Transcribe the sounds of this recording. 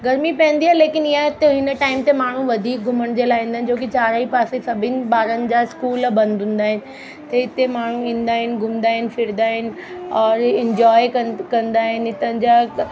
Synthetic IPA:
ɡɐɾmipɐ̃ːə̃nd̪iɦaːleːkɪnɪjãt̪eɦɪnəʈaːɪmt̪emaːɳ̤ũʋɐd̪ʱiːk̚ɡʱʊməɽ̃d͡ʑeːlaːɦĩːnd̪aɦnɪ̆d͡ʑoːkit͡ɕaːɾaːipaːsesɐbʱɪnɪ̆baːɾənɪ̆d͡ʑaɪskuːlbɐ̃nd̪ʱʊ̃ːn̆d̪aːɦɪnɪ̆ | t̪eɪt̪emaːɳ̤ũĩːnd̪aːɦɪnɪ̆ɡʱʊmnd̪aːɦɪnɪ̆fʰɪɾd̪aːɦɪnɪ̆ | ɔːɾɪ̃ɲd͡ʑɔːjkɐkɐ̃nd̪aːɦɪnɪt̪ənɪ̆d͡ʑaː

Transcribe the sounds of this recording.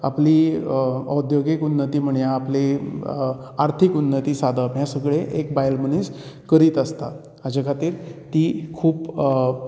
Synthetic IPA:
a̰pliː | ə̰wd̪joɡikunːət̪iːm̤əɳjaːple | aɾt̪ʰikunːət̪iːsad̪ʱəmɦjasəɡɭeʔekbajlməñiskəɾiːt̪əst̪a | ad͡ʑekʰat̪iːɾt̪iːkʰuːp

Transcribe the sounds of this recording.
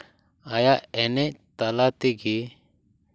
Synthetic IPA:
ajaɛnet̪alat̪iɡi

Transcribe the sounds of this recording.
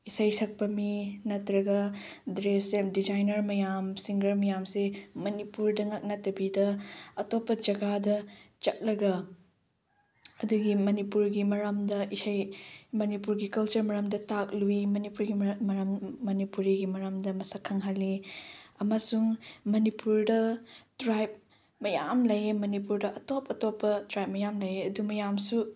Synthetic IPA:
isajsɐk̚pɐminɐtɾɐɡɐdɾesemdid͡ʒajnɐɾmɐjamsiŋɡɐɾmɐjamsemɐnipuɾdɐŋak̚nɐtɐbidɐɐtopːɐd͡ʒɐɡadɐt͡ʃɐk̚lɐɡɐ | ɐduɡimɐnipuɾɡimɐɾamdɐʔisajmɐnipuɾɡikɐlt͡ʃɐɾmɐɾɐmdɐtak̚luimɐnipuɾɡiɐɾamːɐnipuɾiɡimɐɾamdɐmɐsakʰɐŋɦɐlːiɐmɐsuŋmɐnipuɾdɐtɾajp̚ | mɐjamlɐjemɐnipuɾdɐʔɐtopɐtopːɐtɾajp̚mɐjamlɐjeɐdumɐjamsu

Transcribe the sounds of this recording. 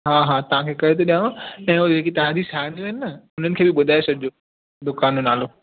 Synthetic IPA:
ɦaːɦaːt̪ɐʋ̤ãkʰeːkɐɾet̪̬ʰoɗijããɛ̃ːod͡ʑeːkit̪ɐɦãd͡ʑ̪ʱisaːɦnd̪oɦɪnɪnɐʊn̤ənɪ̆kʰeːbɪɓʊd̪ʱaːesɐɡɪd͡ʑoː | d̪ʊkaːnonaːloː

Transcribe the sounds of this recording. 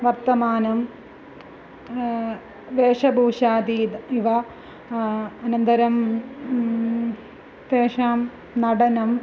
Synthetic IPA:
ʋɐrt̪ɐmaːnɐm | ʋeːʂɐbʱuːʂaːd̪id̪iʋɐ | ɐnɐnd̪ɐɾɐm | ʋeːʂaːm | nɐɽɐnɐm

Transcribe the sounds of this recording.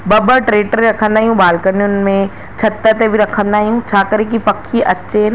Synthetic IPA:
bɐbəʈɾeːʈəɾɾɐkʰə̃nd̪aːɦijũbaːlkənjʊnɪ̆mẽ | t͡ɕʰɐt̪ːət̪ebʱiɾɐkʰə̃nd̪aːɦijũt͡ɕʰaːkɐɾek̬ipɐkʰiʔɐːʃen

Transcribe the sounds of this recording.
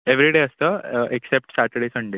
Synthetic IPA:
eʋɾiɽeəst̪əeksep̚ʈsaʈ̪əɽisəɳɖe

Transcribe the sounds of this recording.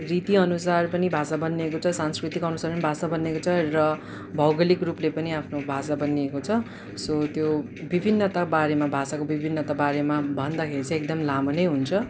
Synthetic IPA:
rit̪iʌnusarpʌnibʱasabʌnːiekot͡sʰʌsanskrit̪ikʌnusarpʌnibʱasabʌnːekot͡sʰʌrʌ | bʱʌwɡʌlikruplepʌniapʰnobʱasabʌniekot͡sʰʌ | sot̪jo | bibʱinːʌt̪abaɾemabʱasakobibʱinːʌt̪abaɾemabʱʌnd̪akʰeɾit͡sʌ̃ek̚d̪ʌmlamʌnejɦunt͡sʰʌ

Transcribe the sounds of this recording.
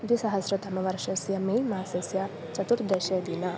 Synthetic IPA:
d̪isɐɦɐsɾɐt̪ɐmɐʋɐɾʃɐsjɐmeːlmaːsesjɐ | t͡ʃɐt̪uʈd̪eʃed̪inɐ

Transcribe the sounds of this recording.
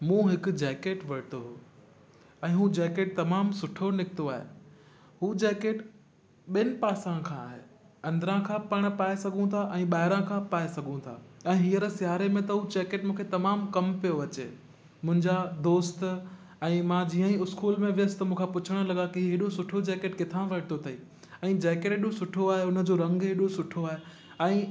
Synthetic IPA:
mũːɦɪk̆d͡ʑɛːkeːʈʋɐɽɪt̪oɦuː | ɛ̃ːɦud͡ʑɛːkeːʈ̚t̪ɐmaːmsʊʈʰonɪkt̪oaːɦḛ | ɦuːd͡ʑɛːkeːʈ | ɓɪnɪ̆paːsãkʰãːɦeː | ɐ̃nd̪əɾãkʰãːpɐɽ̃paːesɐɡʱũt̪ʰaʔɛ̃ːɓaːɪɾãkʰãpaːesɐɡʱũt̪ʰa̰ɛ̃ːɦiəɾsɪjaːɾemẽt̪ɐɦud͡ʑɛːkeːʈmũːkʰet̪ɐmaːmkɐmpijoʋɐt͡ɕḛː | mʊ̃ɦɪ̃ɲd͡ʑad̪oːst̪ | ɛ̃ːmãd͡ʑiːə̃ĩʊskuːlmẽʋɪjəst̪ɐmũːkʰãpʊt͡ɕʰəɽ̃̆lɐɠãkiɦiɦeːɗosʊʈʰod͡ʑɛːkeːʈkɪt̪ʰãʋɐɽɪt̪ʰot̪ʰɐiː | ɛ̃ːd͡ʑɛːkeːʈɪɗõsʊʈʰoaːɦeʊnə̆d͡ʑoːɾɐ̃ŋɡɦeːɗosʊʈʰoaːɦe | ɛ̃ː

